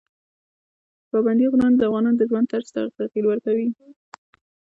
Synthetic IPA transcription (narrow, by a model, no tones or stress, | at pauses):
paband̪iɣʊnɑnd̪əafɣɑnɑnd̪əʒwant̪aɾzt̪a̰t̪aqilwəɾkawi